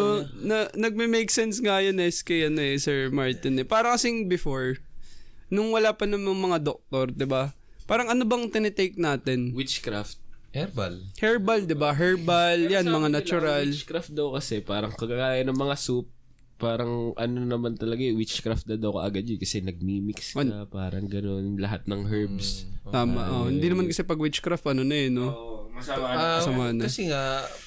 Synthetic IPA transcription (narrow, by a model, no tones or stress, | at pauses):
onɐnɐɡ̚mɪmejk̚sɛnsŋajɐnɛskɐjɐnoɛsɛɹmaɹt̪ɪnɛpaːɾɐŋkɐsɪŋbɪfoɹ | nʊŋwɐlaːpɐnɐŋmɐŋmɐŋad̪ok̚t̪o̞ɾd̪ɪba | paːɾɐŋʔɐnobɐŋt̪ɪnɛt̪ejk̚naːt̪ɛnwɪt͡ʃkɾaft̪̚ɛlhɛɹbɐld̪ɪbaɦɛɹbaljanmɐŋanɐt͡ʃʊɾalt͡ʃkɾaft̪̚d̪ɐwkɐsɛpaːɾɐŋkɐɡakaːjɐnɐŋmɐŋasup̚ | pːaːɾɐŋʔɐnonɐmant̪ɐlɐɡawɪt͡ʃkɾaft̪̚nɐd̪ɐwkɐ̰ʔɐɡɐd̪ɲʊnkɐsɛnɐɡ̚mimiksonɐpaːɾɐŋɡɐno̞nlɐɦat̪̚nɐŋɦɛɹbst̪aːmɐʔohɪnd̪iːnɐmankɐsɛpɐɡwɪt͡ʃkɾaft̪̚ʔɐnonɐɛno | sɐmaːnɐkɐsɛŋa